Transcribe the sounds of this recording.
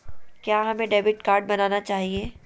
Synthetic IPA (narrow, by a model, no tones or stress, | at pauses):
kjaːɦɐmẽɖeːbɪʈkaːɾɖ̚bɐnaːnat͡ʃaːɦieː